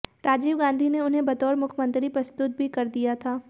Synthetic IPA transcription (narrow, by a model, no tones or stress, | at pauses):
ɾaːd͡ʒiːʋɡãːnd̪ʱineʊnɦẽbɐt̪ɔːɾmʊkʰmə̃nt̪ɾipɾɐst̪ʊt̪̚bʱikɐɾd̪ijat̪ʰaː